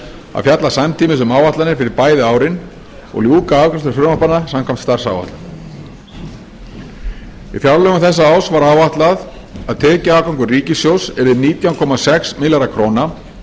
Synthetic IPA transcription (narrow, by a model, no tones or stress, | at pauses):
a̰ðfjat̪lasamt̪ʰiːmɪsʏmawvaht̪anɪɾ̥fɪɾɪɾpaːjðɪaːwɾɪn | ɔ̰ɣljuːkaawkɾḁst̪ʏɾfɾʏmapanːasamkʰajmt̪st̪ar̥sa̰wva̰ht̪la | ḭfjawlœɣʏmθɛs̬ːaaːwsvaɾaːwvaht̪lað | aðt̪ʰɛːcaaːkawŋkʏriːcɪsjowsɛɾɪðniːt̪jawkʰɔmasɛksmɪljaɾakʰɾoːna